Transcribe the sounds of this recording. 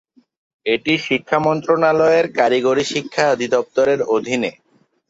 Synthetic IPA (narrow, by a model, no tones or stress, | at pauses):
eʈiʃikʰːamɔnt̪ɾonalɔeɾkaɾiɡoɾiʃikʰːaod̪ʱid̪ɔp̚t̪oɾeɾod̪ʱine